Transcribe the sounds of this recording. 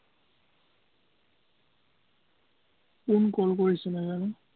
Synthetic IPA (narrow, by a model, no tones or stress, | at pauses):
kunkɔlkoɹisɛnazanu